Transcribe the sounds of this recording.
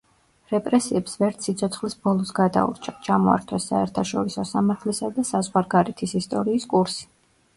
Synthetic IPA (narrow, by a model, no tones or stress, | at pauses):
ɾɛpʼɾɛsiɛpsvɛɾt̪sit̪sʰɔt̪sʰχlisbɔlˠɔsɡad̪a̰ṵɾt͡ʃʰat͡ʃʰamɔa̰ɾt̪ʰwɛsaɛɾt̪ʰaʃɔɾisɔsamaɾt̪ʰlɛsad̪asazʁwaɾɡaɾɛt̪ʰisist̪ʼɔɾiːskʼuɾsi̥